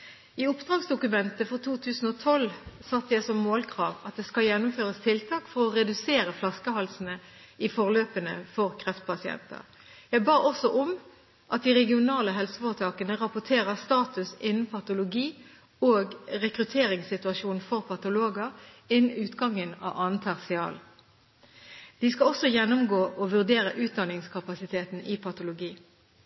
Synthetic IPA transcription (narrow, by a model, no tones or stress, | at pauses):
ɪʊpd̪ʁɑːɡsd̪ʊkʉmɛnt̪əfɔt̪ʰuːt̪ʰʉːsn̩ɔːt̪ʰɔlsɑt̪ːəjæɪsɔmːoːlkʰʁɑːʋɑt̪̚d̪ɛskɑljɛnːʊmføːʁəst̪ʰɪlt̪ʰɑːkfɔʁɔʁɛd̪ʉseːɾəflɑskəhɑlsənə | ɪfɔʁløːpənə̰fɔʁkʰʁɛft̪̚pʰɑsɪɛ̰nt̪ə̰ʁ | jæɪbɑːʔɔsɔʔɔm | ʔɑt̪̚d̪iʁɛɡɪʊnɑːləɦɛlsəfɔʁət̪ʰɑːkənəʁɑpʊʈʰeːʁəst̪ɑːt̪ʉsɪnn̩pʰɑt̪ʊlʊɡiː | oːɡʁɛkʁʉt̪ʰeːʁɪŋsɪt̪ʉɑʃuːn̩fɔʁpʰɑt̪ʊloːɡəʁ | ɪn̩ʉːt̪ɡɑŋənɑ̰ːʋʔɑːnt̪ʰæʁsɪɑ̰ːl | d̪̥ɪskɑɔsɔjɛnːʊmɡoːʔɔʋʉʁd̪eːʁəʔʉːt̪̚d̪ɑnɪŋskʰɑpɑsɪt̪ʰeːt̪n̩ɪpʰɑt̪ʊlʊɡiː